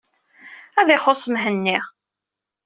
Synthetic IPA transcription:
æðɪχosˤəmɦənːi

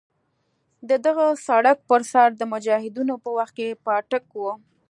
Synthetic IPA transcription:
d̪əd̪əɣəsaɽak̚pəɾsɑɾd̪əmʊd͡ʒɑhɪd̪unopəwaxt̪̚kepɑʈəkwo

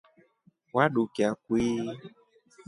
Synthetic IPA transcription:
waɖukeakwi

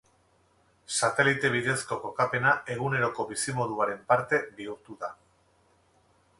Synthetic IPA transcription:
sat̪e̞lit̪e̞β̞iðe̞sko̞ko̞kape̞nae̞ɣ̞une̞ɾo̞ko̞βisimo̞ðuaɾe̞mpaɾt̪e̞biuɾt̪uða

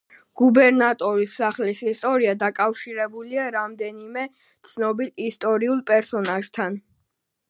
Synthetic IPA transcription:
ɡ̥ubɛɾnat̪ʼɔɾisːaχlisist̪ʼɔɾiad̪akʼafʃiɾɛbuliaɾamd̪ɛnimɛ | t̪sʰnɔbilist̪ʼɔɾiulˠpʼɛɾsɔnaʒt̪ʰan

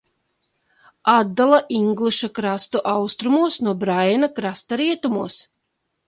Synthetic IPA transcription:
ad̪ːalˠaʔiŋɡlˠɨʃakɾast̪uʔawst̪ɾumuɔsnuɔbɾajnakɾast̪aɾiɛt̪umuɔs

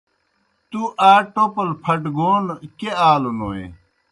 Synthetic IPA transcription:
t̪uʔaːʈopɐlpʰɐʈɡoːnkeaːlunoːḛ

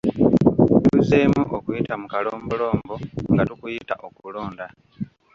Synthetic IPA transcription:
tuzeːmuʔokujitamukaloːmbulo̞ːmbo̞ŋɡatukujitaʔo̞kulo̞ːnda

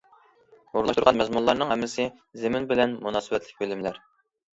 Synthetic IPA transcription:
oɾlˠɑʃt̪uɾʁɑnmɛzmunlˠɑɾnɨŋɦɛmːɪsɪ | zemɪnbɪlɛnmunɑːsɨbɛt̪lɪk̚ʲbølɪmlæɾ

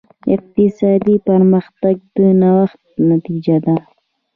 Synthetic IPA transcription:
ɪ̰q̚t̪ɪsɑd̪ipəɾməxt̪aɡ̚d̪ənawaxt̪̚nat̪id͡ʒad̪a

